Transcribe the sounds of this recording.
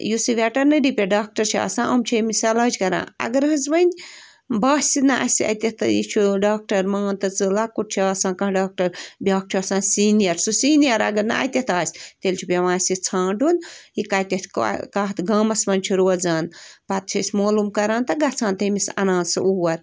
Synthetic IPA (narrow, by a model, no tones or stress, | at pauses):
jusiʋʲɛʈɐɾnɨɖipʲeɖaːk̚ʈɐɾt͡ʃʰia̰ːsãːʔɐmt͡ʃʰimisɐlaːd͡ʒʲkɐɾa̰ːɐ̰ɡɐɾɦɐzʋɐnʲ | baːsʲsinɐʔɐ̰sʲiɐ̰t̪ʲɐht̪ɨjḭt͡ʃʰuɖaːk̚ʈɐɾmaːnt̪ɐt͡sɨlaːkuʈ̚t͡ʃʰiaːsãːkɐ̃ːɖaːk̚ʈɐɾbʲaːk̚t͡ʃʰasãːnsiːnijɐɾsusiːnijɐɾɐ̰ɡɐɾnɐ̰ɐ̰t̪ʲɐht̪aːsʲt̪elʲt͡ʃʰupʲeʋãːsʲit͡sʰãːɖunjikaːt̪ʲɐt̪ʰʲkkaːt̪ɡɐːmɐsmɐnʲt͡ʃʰuɾoːzaːnpɐt̪̚t͡ʃʰisʲmoːlumkɐɾãːnt̪ɐɡɐt͡sʰãːnt̪ɐmisɐ̰nãːnsɨ̰ʔuwɐɾ